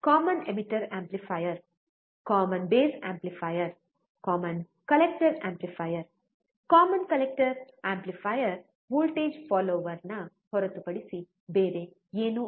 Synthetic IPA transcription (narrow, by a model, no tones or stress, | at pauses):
kaːmənemiʈɐɾæ̃mplifajɐɾ | kɔːmɐnbeːsæ̰̃mplifajɐɾ | kɔːmɐn | kɐlek̚ʈəɾæ̃mplifajəɾ | kaːmənkɐlek̚ʈɐɾ | æ̃ːmplifajəɾ | ʋuːlʈeːd͡ʒfɔːloːʋɐɾna | hɔɾɐt̪upɐɽisi | beːɾe | jeːnu